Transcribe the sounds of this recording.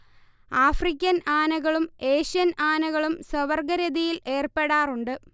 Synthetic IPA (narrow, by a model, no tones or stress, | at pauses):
aːfrik̬ʲːɐnaːnɐɣɐɭume̞ːɕijɐnaːnɐɣɐɭumsɐʋɐrɡɐɾɐðijile̞ːrpe̞ɽaːruɳɖɨ